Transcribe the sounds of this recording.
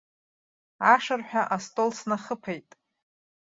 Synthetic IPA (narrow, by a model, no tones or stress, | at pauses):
aʂarħʷᶣaʔastʼolsnaχəpʰejtʼ